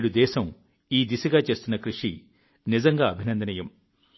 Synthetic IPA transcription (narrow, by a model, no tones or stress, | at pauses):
ɽud̪ɛːsɐm | iːd̪isɐɡaːt͡ʃe̞ːst̪unːɐkɾuʂi | nizɐŋɡaːɐbʱinɐnd̪ɐnɐjɐm